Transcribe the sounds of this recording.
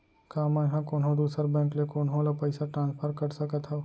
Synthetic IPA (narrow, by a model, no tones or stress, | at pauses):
kaːmɛ̃ɦãkoːnɦõd̪uːsəɾbɛ̃ːŋklekoːnɦõlapəɪsaʈɾãːnpʰəɾkɐɾsɐkət̪ɦɛ